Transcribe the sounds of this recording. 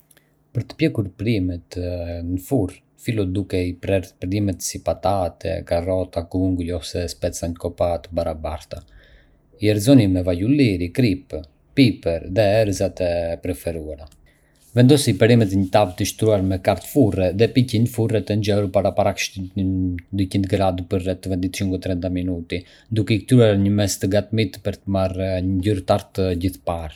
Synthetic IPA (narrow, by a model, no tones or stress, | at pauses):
pəɾt̪ə̥pjɛkuɾpɾimɛt̪nəfur | filɔd̪ukɛipɾɛɾpəɾimɛt̪sipat̪at̪ʰɛ̰karɔt̪akuŋɡulɔfsɛspɛt͡saɲəkɔpat̪əbaɾabaɾt̪a | iɛɾzɔnimɛvajuliɾikɾip | pipɛɾðɛɛɾzat̪ɛpɾɛfɛɾuaɾa | vɛnd̪ɔsipɛɾimɛt̪ɛɲət̪avt̪əʃt̪ɾuaɾmɛkaɾt̪furɛðɛpicinfurɛt̪ɛnd͡ʒɛuɾpaɾapaɾakʃ | d̪ycind̪ɡɾad̪pəɾrɛt̪ːəvɛnd̪it̪ʃiŋɡɔt̪ɾɛnt̪aminut̪i | d̪ukɛik̚t̪ɾuaɾɲəmɛst̪əɡat̪mit̪pəɾt̪əmaɾɲəzyɾt̪aɾt̪əɟiθpaɾ